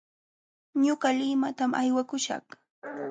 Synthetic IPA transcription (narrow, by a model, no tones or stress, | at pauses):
ɲʊɢɑlɪmat̪amʔajwakʊʃɑ̰χ